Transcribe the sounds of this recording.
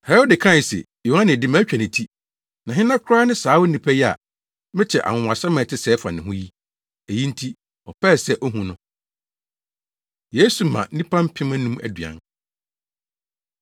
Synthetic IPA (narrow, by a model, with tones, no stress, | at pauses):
hɛ˨ɾɔ˦dɪ˨kʰã˦˨ɪ˨sɪ̰˨ | jo˨hã˦nɪ̃˨dɪ˦mã˦t͡ɕᶣa˨nɪ̃˨tʰi˦ | nã˨ɦɪ̃˦nã˦kʰʊ˦ɾaː˦nɪ̃˦saː˨˦wʊ˦nĩ˨pʰɛ˦jɛ˦a̰˨ | mɪ̃˦t͡ɕʰɛ̰˨ʔa̰˨ŋʊ̃˨a˨sa˦mã˨tʰɪ˦sɛː˦fa̰˨nɪ̃˨ɦʊ̃˦ji˦ | æ˨ji˦n̩˦tʰi˦ | ɔ˨pʰɛ˦˨sɛ˦ʔɔ˦ɦũ˨nʊ̃˦ | je˦su˨mã̰˨˦nĩ˦pʰã˦m̩˦pʰɪ̃˦mã˦nũ˦mæ̰˨dɥã̰˨n